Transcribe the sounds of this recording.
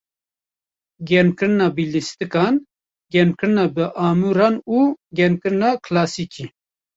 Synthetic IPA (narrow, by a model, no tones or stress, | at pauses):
ɡɛɾmkɨɾɨnɑːbilist̪ɨkɑːn | ɡɛmkɨɾɨnɑːbɨʔaːmuːɾɑːnuːɡɛɾmkɨɾɨnɑːkʰlaːsikʰiː